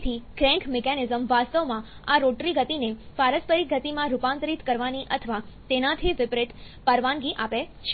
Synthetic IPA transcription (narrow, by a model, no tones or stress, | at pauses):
t̪ʰiɡɾɛ̃ŋkʰmekɛnɪzəmʋast̪əʋmã | aɾoʈɾiɡət̪inepaɾəspəɾiɡʱət̪imãɾupãnt̪ɾit̪kəɾʋaniʔət̪ʰəʋa | t̪enat̪ʰiʋɪpɾɪt̪ | pəɾʋãnɡiʔape | ʃʰ